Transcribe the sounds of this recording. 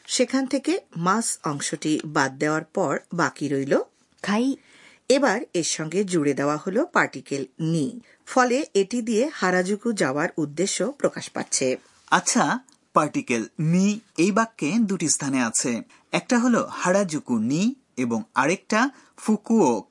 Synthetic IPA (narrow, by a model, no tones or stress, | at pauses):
ʃekʰant̪ʰekemasɔŋʃoʈibad̪̚ːeoaɾpɔɾbakiɾojlo | kʰaj | ebaɾeʃɔŋɡed͡ʑuɽed̪eoaholopaɾʈikelni | fɔleʔeʈid̪iehaɾad͡ʑukud͡ʑaoaɾud̪ːeʃːopɾokaʃpa̰tːt͡ɕʰe | atːɕʰa | paɾʈikelniejbakːed̪uʈist̪ʰaneat͡ɕʰe | ɛk̚ʈaɦolohaɾad͡ʑukuni | eboŋaɾek̚ʈa | fukuok